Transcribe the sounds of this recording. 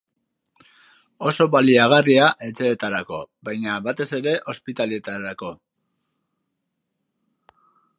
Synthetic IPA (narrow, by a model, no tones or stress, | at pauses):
o̞so̞βaliaɣ̞ariaʔe̞t͡se̞ːt̪aɾako̞bajɲaβat̪e̞se̞ɾe̞ʔo̞spit̪alet̪aɾako̞